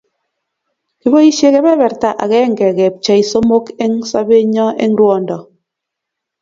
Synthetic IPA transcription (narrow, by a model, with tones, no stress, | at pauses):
ki˦bo˦i˦ʃje˦ke˦bɛ˦βɛ˨ɾta˦ʔa̰˨kɛ˦˨ŋ˨ɡɛ˨kɛ˨p̚t͡ʃɛ˦i˨so˦mo˦ke˦ŋsa˦be˦ɲɔ˦ʔḛ˦ŋ˦ɾwɔ˦˨ndɔ˨